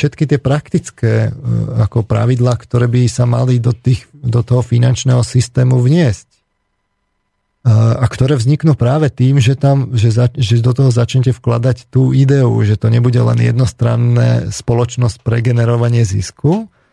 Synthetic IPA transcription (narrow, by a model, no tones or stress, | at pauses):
fʃɛt̪kit̪ɪɛpɾakt̪it͡skɛːakɔpɾa̰ʋid̪laːkt̪ɔɾɛːbisama̰lid̪ɔt̪iːxd̪ɔt̪ɔɦɔfinant͡ʃnɛːɦɔsist̪ɛːmuʋɲɪɛsc | akt̪ɔɾɛːʋvzɲiknuːpɾaːʋɛt̪iːmʒɛt̪amʒɛzaʒɛd̪ɔt̪ɔɦɔzat͡ʃɲɛcɛfklad̪act̪uːid̪ɛṵʒɛt̪ɔɲɛbuɟɛlɛ̰nɪjɛ̰d̪nɔst̪ɾa̰nːɛ̰ːspɔlɔt͡ʃnɔsc̚pɾɛɡɛnɛɾɔʋaɲɪɛzḭsku